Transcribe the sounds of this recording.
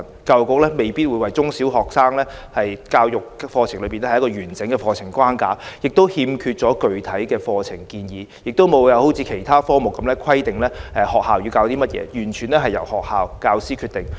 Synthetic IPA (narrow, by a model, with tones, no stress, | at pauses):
n | kaː˧wkʊ˨k̚lɛː˥me˨˩jpiː˥t̚wu˨˧jwɐ˨˩jt͡sʊ˥ŋsiː˨˥wɦɔː˨˩k̚saː˥ŋlɛː˥hɐ˨jkaː˧wjʊ˨k̚fɔː˧t͡sʰɪ˨˩ŋlɵ˨˧˥pi˨nɛ˥˨˥jkɔː˧ɥyː˨˩nst͡sɪ˨˥ŋkɛː˧fɔː˧t͡sʰɪ˨˩ŋkʷwaː˥nkaː˨˥jɪ˨k̚t̪o˥whiː˧mkʰyː˧t̚t͡sɔː˨˥kɵ˨ɥt̪ʰɐ˨˥jkɛː˧fɔː˧t͡sʰɪ˨˩ŋkiː˧njiː˨˧jɪ˨k̚t̪o˥wmo˨˧wjɐ˨˧who˨˥wt͡sʰiː˨˧kʰe˨˩jt̪ʰaː˥fɔː˥ŋmʊ˨kːɐ˨˦mlɛː˥kʰɐ˥jt̪ɪ˨ŋlɛː˥ʔɛ˨˧hɔː˨k̚haː˨wjyː˧wkaː˧wt̪iː˥mɐ˥t̚jɛ̰ː˨˧jyː˨˩nt͡ʃʰyː˨˩nɛː˥ɦɐ˨jɐ̰˨˩whɔː˨k̚haː˨wkaː˧wsiː˥kʰyː˧t̚t̪ɪ˨ŋ